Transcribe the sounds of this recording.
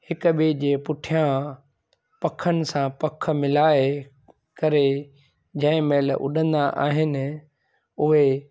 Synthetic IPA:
hɪkʊbed͡ʑeːpʊʈʰijã | pɐkʰənɪ̆sãpɐk̆ʰmɪlaːe | kɐɾe | d͡ʑɐ̃ɦɪ̃meːlʔʊ̰ɗə̃nd̪aʔa̰ːɦɪnɪ̆ | ʊɦe

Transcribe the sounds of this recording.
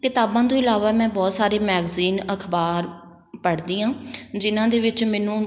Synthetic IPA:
kɪt̪aːbãːd̪õːɪlaːʋaːmɛ̃ːbɔːt̪saːɾeːmɛːɡziːnəkʰbaːɾ | pəɽd̪iːɦãːd͡ʒɪnãːd̪eːʋɪt͡ʃmɛːnũː

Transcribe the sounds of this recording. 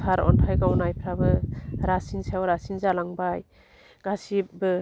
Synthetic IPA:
pʰaɾɔ̰ntʰajɡawnajpʰɾabɯɾasinsawɾasinzalaŋbaj | ɡ̥asibɯ

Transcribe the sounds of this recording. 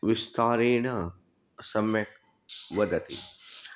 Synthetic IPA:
ʋɪst̪aːɾeːɳɐ | sɐmjɐk | ʋɐd̪ɐt̪ḭ

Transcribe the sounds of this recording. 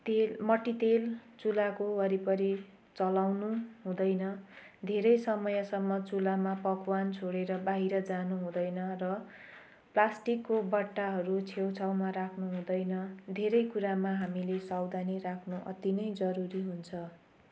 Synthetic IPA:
t̪elmʌʈit̪elt͡sulakowʌɾipʌɾi | t͡sʌlawnuɦũd̪ʌjnʌ | d̪ʱeɾʌjsʌmʌjʌsʌmːʌt͡sulamapʌkwant͡sʰoɽeɾʌbaɦiɾʌd͡zanuɦũd̪ʌjnʌrʌ | plasʈikːobʌʈːaɦʌɾut͡sʰewt͡sʰawmaɾakʰnuɦũd̪ʌjnʌd̪ʱeɾʌjkuɾamaɦamilesawd̪ʱanirakʰnuʔʌ̰t̪inʌjd͡zʌɾuɾiɦunt͡sʰʌ

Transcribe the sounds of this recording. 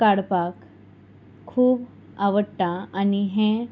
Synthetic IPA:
kaɽpak | kʰːuːb | aʋəʈʈːaaniɦẽ

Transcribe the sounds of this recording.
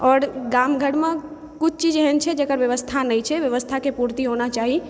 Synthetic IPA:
ɔːɾɡamɡʱəɽmẽ | kʊt͡ʃʰt͡ʃid͡ʒɦɛnt͡ʃʰɛd͡ʒekəɾʋjəʋəst̪ʰanəit͡ʃʰɛʋjəʋəst̪ʰakepuɾt̪iɦonat͡ʃaːɦi

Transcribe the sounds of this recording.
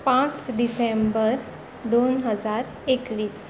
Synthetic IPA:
pãt͡sɖisembəɾ | d̪onɦəd͡zaɾ | ekʋiːs

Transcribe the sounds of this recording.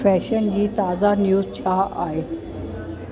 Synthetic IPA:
fɛːʃənd͡ʑiːt̪aːzanjuːzt͡ɕʰaːʔa̰ːɦeː

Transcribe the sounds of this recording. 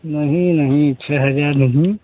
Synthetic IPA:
nəɦĩnəɦĩt͡ʃʰɛɦəd͡ʒaɾnəɦĩ

